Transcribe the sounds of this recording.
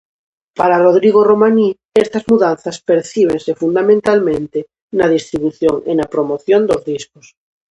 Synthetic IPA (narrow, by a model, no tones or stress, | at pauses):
paɾaroð̞ɾiɣ̞oromani | est̪azmuðanθaspeɾθiβ̞ẽŋsefund̪amẽnt̪almẽnt̪e | nað̞ist̪ɾiβuθjoŋḛnapɾomoθjond̪ozðiskos